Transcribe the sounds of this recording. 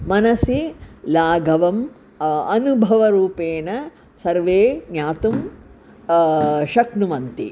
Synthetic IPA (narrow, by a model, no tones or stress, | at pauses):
mɐnɐsilaːɡʱɐʋɐm | ɐnubʱɐʋɐɾuːpeːnɐ | sɐɾʋeːnjaːt̪um | ʃɐknuʋɐnt̪ḭ